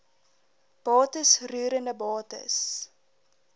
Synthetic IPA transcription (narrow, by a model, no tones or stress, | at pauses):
b̥ɑːtəsryːɾəndəbɑːtə̰s